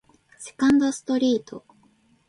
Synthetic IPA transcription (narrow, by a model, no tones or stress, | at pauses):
se̞̥kãnd̪osɨ̥t̪o̞ɾʲiːt̪ʰo̞̰